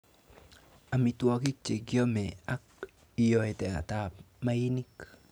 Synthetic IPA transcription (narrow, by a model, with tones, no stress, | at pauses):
a˨mi˨twɔ˨ki˦t͡ʃe˨ɡjɔ˦mɛ˨a˦k̚ | i˨jɔ˨e˨tɛ˨a̰˨ta˨p̚ | ma˦i˦ni˦k